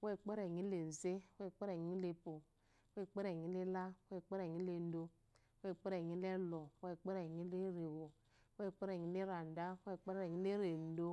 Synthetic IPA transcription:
we˦˨k͡pe˦ɾe˨ɲi˨˦le˨n̩˨ze˦˨we˦˨k͡pe˦ɾe˨ɲi˦le˨po˨ | we˦˨k͡pe˦ɾe˨ɲi˦le˦la˦we˦˨k͡pe˦ɾe˨ɲi˦le˨n̩˦do˦ | we˦˨k͡pe˦ɾe˨ɲi˦le˦lɔ˨we˦˨k͡pe˦ɾe˨ɲi˨˦le˦ɾe˨wo˨ | we˦˨k͡pe˦ɾe˨ɲi˨˦le˦ɾa˨n˨da˦we˦˨k͡pe˦ɾɾe˨ɲi˨˦le˦ɾe˨n̩˦do˦

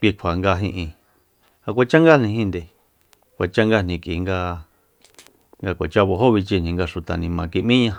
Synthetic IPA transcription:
kʷi˧kʷʰa˨ŋɡa˧ɦĩ˧ʔĩ˧ | a˧kʷa˧t͡ʃa˦ŋɡa˦˨nĩ˧hĩ˦nd̪e˧ | kʷa˨t͡ʃa˦ŋɡa˦nĩ˧kiː˨˧ŋɡa˦˧ | ŋɡa˧kʷo˨t͡ʃa˦βo˧ɦo˦βi˧t͡ʃi˧nĩ˧ŋɡa˧ʃu˧t̪a˨nĩ˧mã˨˧ki˧mĩ˦ɲã˧

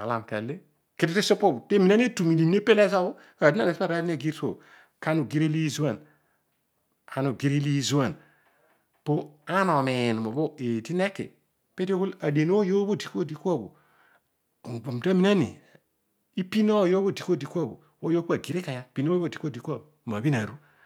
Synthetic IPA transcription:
a̰˨la˨mka̰˨le˦ | ki˨ti˦ti˦so˦po˦bte˦mi˨na˦n˦tu˨mi˨li˨ne˦pe˦le˦sa˦bo˦ | a˨di˦na˦ne˨spa˦˨ɾa˦di˦n˦a˨ɡi˦ɾto̰˨ | ka˦nu˨ɡi˦ɾi˦li˦zu˦a˨n | a˨nu˨ɡi˦ɾi˦li˦zu˦a˨n | po˦a˦no˨me˨n˨mo˨bo˦e˨ti˦ne˦kːḛ˨ | pe˦te˦ku˦la˨de˨n˦o˦jo˦bo˦˨di˨ko˦˨di˨ka˦˨bo̰˨ | bo˨mta˦mi˨na˦nḭ˨ | i˦pi˦no˦˨jo˦bo˦˨di˨ko˦˨di˨ka˦˨bo̰˨ | wo˦jo˦ku˦a˨ɡi˨ɾe˦ka˨ja˦pi˨n˦o˦di˨ko˦di˨ka˨bma˨bi˦na˨ɾu˦

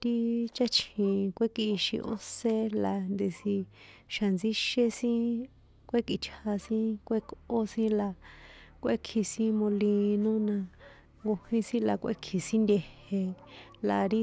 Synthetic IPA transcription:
t̪i˦t͡ʃa˦t͡ʃʰhĩ˨kʷe˦ki˧ʃḭ˧ʔo̰˧se˦la˨˧nd̪e˧si˧ | ʃa˨nd͡zi˦ʃe˧sĩ˦ | kʷe˦ki˧˨t͡ʃʰa˧sĩ˦kʷe˦ko˦sĩ˦la˧kʷe˦kʰi˧sĩ˦mõ˧li˧nõ˦nã˧ | ŋɡo˧hĩ˧sĩ˦la˧kʷʔḛ˦kʰi˨sĩ˦nd̪ʲe˧he˧la˧ɾi˦

